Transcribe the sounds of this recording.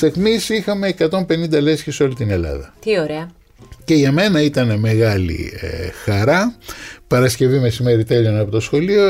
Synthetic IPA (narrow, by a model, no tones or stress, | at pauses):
st̪exmisixɐme̞ːkɐt̪o̞mpe̞nind̪ɐle̞sçiso̞lit̪ine̞lɐ̰ðɐ̰t̪ioɾeɐ | ce̞ʝɐme̞nɐit̪ɐneme̞ɣɐlḭḛxɐɾɐpɐɾɐsce̞vime̞sime̞ɾit̪e̞ʎo̞nɐpo̞t̪o̞sxo̞lio